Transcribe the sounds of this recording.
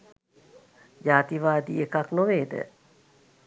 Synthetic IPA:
d͡ʒaːt̪iʋaːd̪iekaknoʋeːd̪ə̰

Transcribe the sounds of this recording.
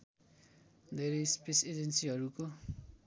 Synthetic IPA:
d̪eɾispesed͡ʒensiɦʌɾuko

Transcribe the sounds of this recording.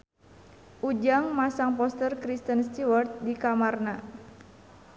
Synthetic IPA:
ʔud͡ʒaŋmasaŋpɔst̪ərkɾist̪ənst̪iwərt̪̚dikamarna

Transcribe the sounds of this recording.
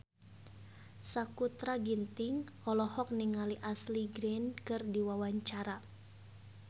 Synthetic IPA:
sakut̪ɾaɡint̪iŋ | ɔlɔhɔk̚niŋaliʔasliɡɾɛnkɨrdiwawaɲt͡ʃaɾa

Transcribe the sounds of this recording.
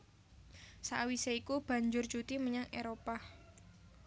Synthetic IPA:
sa̰ʔwiseikub̥a̤ɲd͡ʒʊrt͡ʃut̪iməɲaŋeɾopa

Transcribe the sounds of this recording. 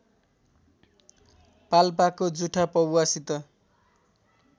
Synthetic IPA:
palpakod͡zuʈʰapʌbwasit̪ʌ

